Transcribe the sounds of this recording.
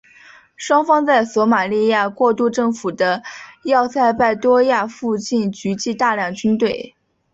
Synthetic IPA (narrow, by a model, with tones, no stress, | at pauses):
ʂwɑ˥ŋfɑ˥ŋt͡sa˥˩ɪswɔ˧˥ma˨˩li˥˧ja˥˧kwɔ˥˧t̪u˥˧ʈ͡ʂɤ˥˩ŋfu˨˩d̪ə˦jɑ˥˧ʊt͡sʰa˥˧ɪpa˥˩ɪt̪wɔ˥ja˥˧fu˥˧t͡ɕi˥˩nt͡ɕy˧˥t͡ɕi˥˧t̪a˥˧ljɑ˥˩ŋt͡ɕy˥nt̪we˥˩ɪ